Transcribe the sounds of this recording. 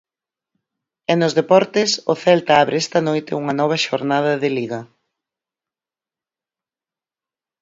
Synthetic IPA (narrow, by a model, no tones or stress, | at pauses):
ɛnʊzðepɔɾt̪ɪsʊθɛlt̪aaβɾɪɛst̪ɐnojt̪ɪuŋɐnɔβ̞ɐʃoɾnað̞ɐðɪliɣɐ